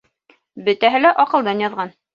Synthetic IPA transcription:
bɘ̆t̪æɦɘlæʔɒqɤ̆lˠd̪ɑnjɑðʁɑn

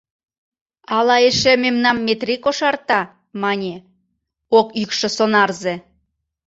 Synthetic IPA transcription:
ɑlɑeʃememnɑmːet̪rikoʃɑrt̪ɑ | mɑnʲe | okykʃɤ̆sonɑrze

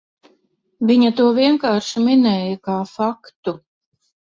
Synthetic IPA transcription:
viɲɐt̪uɔviɛŋkaːɾʃiminɛːjɐkaːfakt̪u

